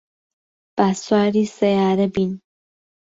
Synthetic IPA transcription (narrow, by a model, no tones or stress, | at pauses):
b̥aswaːɾisɐjaːɾəbin